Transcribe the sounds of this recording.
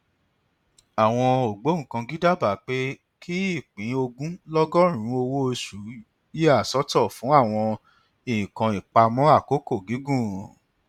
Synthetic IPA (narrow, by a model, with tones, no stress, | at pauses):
a˨w̃ɔ̃˧o˨ɡ͡bõ˨˦˨kã˧ɡi˦da˦˨ba˨k͡pe˦ | kʰi˦i˦˨k͡pĩ˨˦o˧ɡũ˦lɔ˦ɡɔ˦ɾ̃ũ˨˦o˧wo˦o˧su˨˦ | ji˦a˦˨sɔ˨˦tɔ˦˨fũ˨˦a˦˨w̃ɔ̃˧ | i˨ĩ˨kã˧i˨k͡pa˧mɔ̃˦a˦˨ko˨˦ko˦˨ɡi˨˦ɡũ˦˨